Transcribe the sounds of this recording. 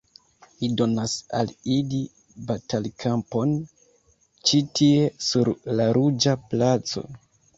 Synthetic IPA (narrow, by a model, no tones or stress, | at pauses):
lido̞nasa̰lili | batalkʰampo̞n | t͡ʃitʰie̞suɾlaɾud͡ʒaplat͡so̞̰